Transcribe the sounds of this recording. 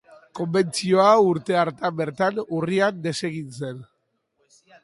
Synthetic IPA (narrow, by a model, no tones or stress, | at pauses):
ko̞mbe̞nt͡sio̞auɾt̪e̞aɾt̪ambe̞ɾt̪anuriand̪e̞se̞ɣint͡se̞n